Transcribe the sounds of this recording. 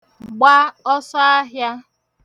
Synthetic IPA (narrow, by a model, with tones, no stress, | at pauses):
ɡ͡ba˦ɔ˦sɔ˦a˦ɦja˦